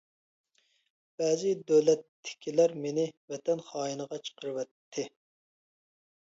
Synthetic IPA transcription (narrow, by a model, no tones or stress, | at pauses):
b̥ɛːzɪd̪øwlɛt̪ːɪ̥kʲʰilæɾmenɪvɛt̪ʰɛnχɑːjinəʁɑt͡ʃʰə̥qʰəɾɨwɛt̪ʰːɪ